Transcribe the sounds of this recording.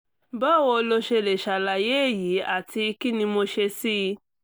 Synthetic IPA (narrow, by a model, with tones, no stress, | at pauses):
bɔ˦˨wo˧lo˧ʃe˧le˨ʃa˨la˨je˦˨ji˨˦a˦˨ti˧i˧ki˦nĩ˧mo˧ʃe˧si˦˧